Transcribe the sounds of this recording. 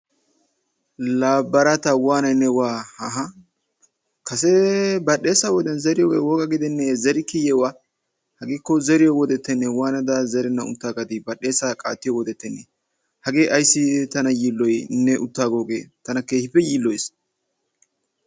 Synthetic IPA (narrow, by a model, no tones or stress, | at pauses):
laːbːɐɾɐt̪ɐwaːnɐjnːɛwaːhɐɦɐ | kɐsɛbɐɗeːsɐwɔd̪ɛnzɛɾɪjɔɡewɔːɡɐɡɪd̪ɛnːɛzɛɾɪkːɪjɛwaː | hɐɡeːkːɔzɛɾɪjɔwɔd̪ɛt̪ːɛnːɛwaːnɐd̪ɐzɛɾɛnːɐʊ̰t̪ːaːɡɐd̪ɪbɐɗe̞ːsɐkʼa̰ːt̪ːɪjɔwɔd̪ɛt̪ːɛnːɛ | hɐɡe̞ːʔɐjsːɪt̪ɐnɐjiːlːɔjnːɛʔʊt̪ːaːɡoːɡeːt̪ɐnɐkeːhɪpːɛjiːlːɔjs